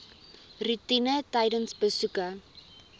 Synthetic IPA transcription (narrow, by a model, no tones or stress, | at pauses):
rutinətɐjdənsbəsukə